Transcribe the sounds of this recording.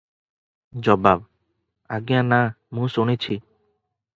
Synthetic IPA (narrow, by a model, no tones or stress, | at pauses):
d͡ʑɔbab | aɡijana | mũsonet͡ɕʰi